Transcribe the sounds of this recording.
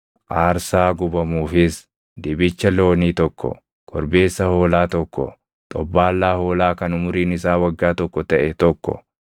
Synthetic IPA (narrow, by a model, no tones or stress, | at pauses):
ʔaːɾsaːɡʊbɐmuːfɪs | d̪ɪbɪt͡ʃːɐlo̞ːniːt̪ɔkːɔ̰ | kʰɔɾbe̞ːsːɐho̞ːlaːt̪ɔkːɔ̰ | t̪ʼɔbːaːlːaːhoːlaːkɐnʊmʊɾiːnɪsaːwɐɡːaːt̪ɔkːɔt̪ɐʔɛt̪ɔkːɔ̰